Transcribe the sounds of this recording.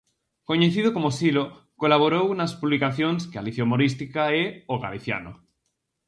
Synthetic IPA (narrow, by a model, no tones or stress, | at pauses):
koɲeθiðokomosilo | kolaβ̞oɾownaspuβlikaθjoŋskea̰liθjomoɾist̪ikaeoɣa̰liθja̰no̰